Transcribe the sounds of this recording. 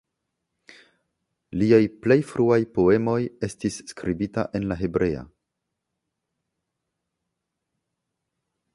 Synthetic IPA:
liajple̞jfɾuajpo̞e̞mo̞je̞stisːkɾibita̰ʔe̞nlaɦe̞bɾʔe̞a̰

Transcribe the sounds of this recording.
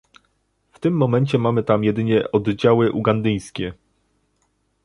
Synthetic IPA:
ft̪ɘmːɔmɛɲt͡ɕɛmamɘt̪amjɛd̪ɘɲɛʔɔd̪d͡ʑawɘʔuɡand̪ɘj̃skʲɛ

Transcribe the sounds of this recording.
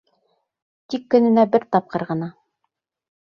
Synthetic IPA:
t̪ikːɵ̆nɘ̆næbɘɾt̪ɑp̚qɤ̆ɾʁɤ̆nɑ

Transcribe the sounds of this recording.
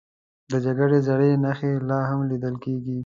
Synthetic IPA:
d̪əd͡ʒaɡaɽezaɽenaxelɑɦamlid̪əlkeɡi

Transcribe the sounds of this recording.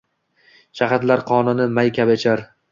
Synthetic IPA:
ʃaɦat̪laɾqʰɒnɪnɪmajkʲʰabet͡ʃʰaɾ

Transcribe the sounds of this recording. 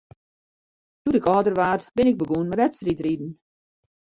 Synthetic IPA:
d̥utɪkɔːdərʋaːrtbɪnɪɡ̚bəɡuənməʋɛtstritridn̩

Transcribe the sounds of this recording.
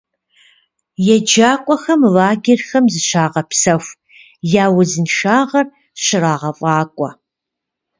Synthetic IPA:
jɛd͡ʒaːkʷʼɔxɐmvaːɡʲɪrxɐmzɨɕaːʁɐpsɐxʷ | jaːwɐzɨnʂaːʁɐr | ɕɪraːʁɐfʼɑːkʷʼɔ

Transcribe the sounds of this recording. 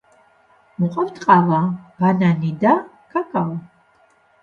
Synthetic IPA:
muqʼɔvt̪ʰʼqʼalab̥ananid̪a | kʰakʰʼala

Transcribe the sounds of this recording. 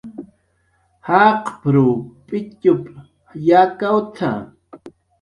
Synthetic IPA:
haqpɾuːpʼɪcʊpʼ | jakawt̪ʰa̰

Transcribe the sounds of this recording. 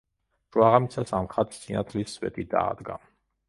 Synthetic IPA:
ʒ̥waʁamit̪sʰasamχat̪ʰsinat̪ʰliswɛ̰t̪ʰʼid̪aːd̪ɡa

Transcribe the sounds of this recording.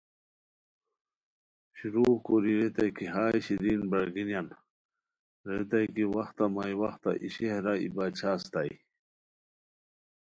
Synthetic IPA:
ɕiɾuːbkoɾiɾet̪ajkiɦaːjɕiɾinbɐɾɡinjan | ɾet̪̬ajkiwɐxt̪amajwɐxt̪a̰ʔiɕehɾaḭbat͡ɕʰaːst̪aj

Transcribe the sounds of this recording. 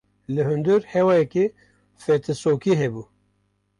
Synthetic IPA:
lɨɦɨnd̪ɨɾhɛwaːjɛke | fɛt̪ʰɨsoːkiːɦɛbuː

